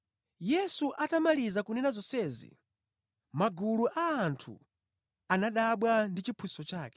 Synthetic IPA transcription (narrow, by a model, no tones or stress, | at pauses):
jɛsuʔatamalizakunɛnazɔsɛːzḭ | maɡuluʔaːntʰṵ | anaɗaɓwandit͡ʃipʰusɔt͡ʃaːkɛ̥